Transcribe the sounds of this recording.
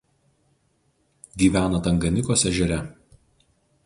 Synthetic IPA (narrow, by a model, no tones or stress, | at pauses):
ɡʲiːʋʲæːnɐt̪ɐŋɡɐnʲɪkoːsʲɛʒʲɛɾʲɛ